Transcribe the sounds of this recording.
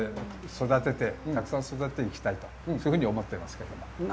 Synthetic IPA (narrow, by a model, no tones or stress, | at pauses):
so̞d̪at̪e̞t̪e̞akɯ̟̥sãɰ̃so̞d̪at̪et̪e̞ikʲi̥t̪ait̪o̞oɯhɯ̟ɲ̟io̞mo̞t̪ːeimasɨ̥ke̞d̪o̞mo